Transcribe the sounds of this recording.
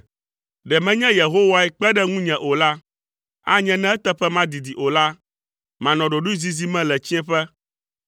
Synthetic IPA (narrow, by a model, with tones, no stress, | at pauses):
ɖɛ˨mɛ̃˦ɲɛ̃˦je˨ɦo˦wa˦ɛ˦k͡pɛ˦ɖɛ˦ŋũ˦ɲɛ̃˨ʔo˨la˦ | a˦ɲɛ̃˦nɛ̃˦ɛ˦t̪ɛ˦ɸɛ˦mã˦d̪i˨d̪i˨ʔo˨la˦ | mã˨nɔ̃˨ɖo˨ɖu˦i˦zi˦zi˦mɛ̃˦lɛ˨t͡ɕi˦ɛ̃˦ɸɛ˦